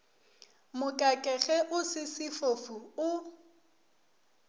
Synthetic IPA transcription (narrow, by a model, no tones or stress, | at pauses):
mʊkʼakʼɛɣɛʔʊsɪsɪfofuʊ